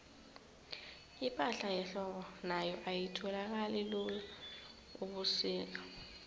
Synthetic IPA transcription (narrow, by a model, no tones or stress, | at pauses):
ipʼaɬajɛɬɔɓɔnajɔʔajitʰɔlak̬alɛlula | uɓusiːk̬a